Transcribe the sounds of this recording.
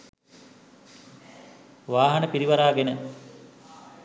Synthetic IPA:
ʋaːɦɐnəpiɾiʋaɾaːɡenə

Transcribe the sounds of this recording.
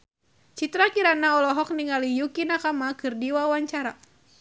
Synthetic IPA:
t͡ʃit̪ɾakiɾanaɔlɔɦɔk̚niŋalijukinakamakɨrdiwawaɲt͡ʃaɾa

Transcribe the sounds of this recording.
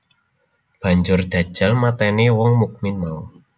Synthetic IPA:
b̥a̤ɲd͡ʒʊrd̪̥ä̤̥ʒ̥a̤lmat̪ɛnewɔŋmuk̚mɪnmau

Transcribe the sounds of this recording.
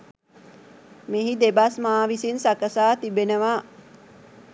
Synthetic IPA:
meɦid̪ebasmaːʋisinsakəsaːt̪ibenəʋaː

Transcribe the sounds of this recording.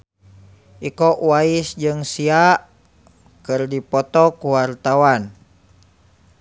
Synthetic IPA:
ʔikɔʔwaisd͡ʒɨŋsiaʔ | kɨrdipɔt̪ɔkuwart̪awan

